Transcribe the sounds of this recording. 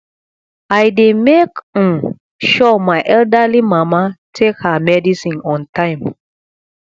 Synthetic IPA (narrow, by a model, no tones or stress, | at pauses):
ajdemek̩ | ʃɔmajʔɛldalimãmatʰekhamɛdisĩnɔ̃ntãjm